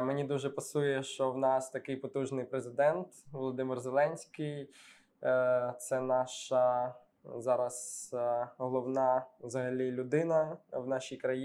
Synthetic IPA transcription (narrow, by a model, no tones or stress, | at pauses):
menʲid̪uʒɛpɐsujɛʃt͡ʃɔwnɑst̪ɐkɪjpɔt̪uʒnɪjpɾezɪd̪ɛnt̪ʋɔlˠɔd̪ɪmɪrzelˠɛnʲsʲkɪj | t̪sɛnɑʃɐ | zɑɾɐz | ɦɔlˠɔwnɑʋzɐɦɐlʲilʲʊd̪ɪnɐwnɑʃʲijkɾɐji